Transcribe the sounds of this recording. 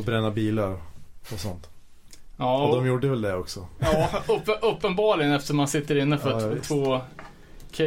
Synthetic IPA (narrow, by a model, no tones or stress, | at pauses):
ɔbɾɛnːabiːlaɾɔsɔnt̪ | jɑːd̪ɔmjuːɖəvɛld̪ɛɔksɔjɑːɵʔɵpːənbɑːɭɪɡənɛft̪əʂɔmansɪt̪ːəɾɪnːəfœt̪ʰvoː | kʰɛ